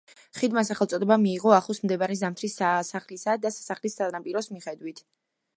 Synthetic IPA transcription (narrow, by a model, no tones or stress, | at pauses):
χid̪masaχɛlˠt̪ʼɔd̪ɛbamiːʁɔaχˠɔsmd̪ɛbaɾɛzamt̪ʰɾisasaχlisad̪asḁsaχlist̪ʼanapʼiɾɔsmiχɛd̪wit̪ʰ